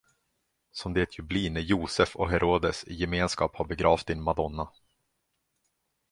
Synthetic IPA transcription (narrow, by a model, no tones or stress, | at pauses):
sɔmd̪ɛɛt̪ʰjɵbliːnæjuːsɛfɔ̰ɦɛɾʔoːd̪əsɪjɛmeːnskɑːphaɾbɛɡɾɑːft̪ɪnmad̪ɔnːa